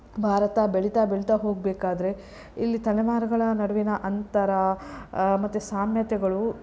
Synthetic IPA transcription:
bʱaːɾɐt̪ɐbeɭit̪abeɭit̪aɦo̞ːɡ̚beːkaːd̪ɐɾe̞ | ilːit̪ɐnɛʋaːɾɐɡɐɭɐnɐɽɐʋinɐʔɐnt̪ɐɾɐ | mɐt̪ːusaːmjɐt̪ɛɡɐɭu

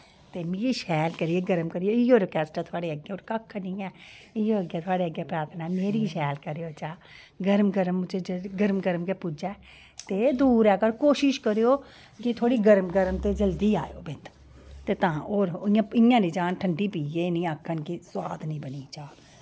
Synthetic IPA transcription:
t̪eːmeːɾiːʃɛːlkəɾɪeːɡəɾəmkəɾɪjoːɪːoːɾːkɛːsʈaːt̪ʰʊaːɽeːəɡeːoːɾkəkʰːnĩːɛːɪoːəɡɛːt̪ʰʊaːɽeːəɡɛːpɾaːt̪ʰnãːɛmeːɾiːʃɛːlkəɾejoːt͡ʃaː | ɡəɾmɡəɾəmːʊd͡ʒʱeːd͡ʒɡəɾmɡəɾmkeːpʊd͡ʒɛː | t̪eːd̪uːɾɛːkəɾkoːʃɪʃkəɾejoː | kɪt̪ʰoːɽiːɡəɾmɡəɾmt̪eːd͡ʒəld̪iːa̰ːjo̰ːbɪt̪ | t̪eːt̪ãːoːɾɪãːɪjãːniːd͡ʒaːnʈʰəɳɖiːpiːjeːnĩːəkʰːənkiswaːd̪nĩːbəniːt͡ʃaː

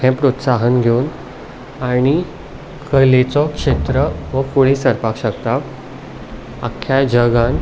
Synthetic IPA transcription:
ɛ̃pɾot̪saɦənɡʱeun | aɽ̃i | kəlet͡sɔkʂet̪ɾəʋəkuɭ̃ĩsəɾpakɕəkt̪a | akʰːjad͡ʑəɡan

